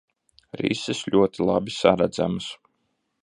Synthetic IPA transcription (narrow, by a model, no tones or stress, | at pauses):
ɾḭsɪsʎʲuɔt̪ilˠabisaɾæd̪za̰mɨs